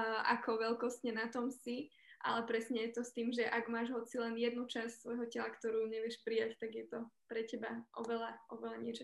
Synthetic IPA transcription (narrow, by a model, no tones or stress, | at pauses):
ʔa̰kʰɔʋɛlkɔscɲɛnat̪ɔmsi | ʔa̰lɛpɾɛsɲɛjɛt̪ɔst̪iːmʒɛʔaɡmaːʒɦɔt͡silɛnjɛd̪nut͡ʃassʋɔjɦɔcɛlakt̪ɔɾuːɲɛʋɪɛʃpɾijact̪aɡjɛt̪ɔpɾɛcɛbaʔɔʋɛlaʔɔʋɛlaɲɪɛt͡ʃɔ